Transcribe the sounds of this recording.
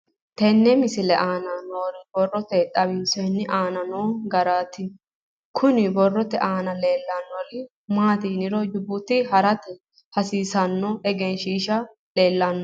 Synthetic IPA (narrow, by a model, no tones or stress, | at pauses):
t̪ɛnːɛmɪsɪlɛʔaːnɐnoːɾɪbɔrːɔt̪ɛt̪ʼɐbɪnsɛnːɪʔaːnɐnoːɡɐɾaːt̪ɪ | kʰʊnɪbɔrːɔt̪ɛʔaːnɐleːlːɐnːɔlɪ | maːt̪iːnɪɾɔd͡ʒʊbʊt̪ɪhɐɾɐt̪ɛ | hɐsiːsɐnːɔɛɡɛnʃiːʃɐ | leːlːɐnːɔ